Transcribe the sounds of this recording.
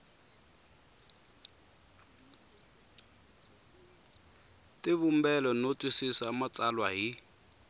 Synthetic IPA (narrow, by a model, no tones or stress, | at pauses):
tɪβum̩bɛlɔnotʼwisisamat͡sʼalwaɦi